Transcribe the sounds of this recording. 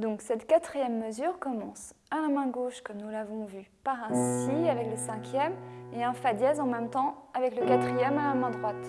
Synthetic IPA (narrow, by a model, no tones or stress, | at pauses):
d̪ɔ̃ksɛt̪kat̪χijɛmːəzyʁkɔmɑ̃salamɛ̃ɡoʃkɔmnulavɔ̃vypaʁɛ̃siavɛkləsɛ̃kʲjɛmeɛ̃fad̪jɛzɑ̃mɛmt̪ɑ̃ | avɛkləkat̪χijɛmãlamɛ̃d̪ʁwat̪